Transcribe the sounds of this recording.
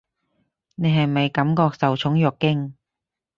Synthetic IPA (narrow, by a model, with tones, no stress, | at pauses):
ne˨˧jɦɐ˨jmɐ˨˧jkɐ˨˥mkɔː˧k̚sɐ˨wt͡ʃʰʊ˨˥ŋjœː˨kːɪ˥ŋ